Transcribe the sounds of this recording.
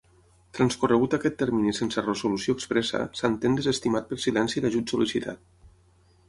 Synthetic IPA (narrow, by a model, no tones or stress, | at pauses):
t̪ɾanskurəɣut̪akɛt̪ːɛɾminisensərəzulusioekspɾɛsə̰sant̪end̪ezest̪imat̪̚pəɾsilɛnsiəd̪aʒut̪sulisit̪ʰa̰t̪̚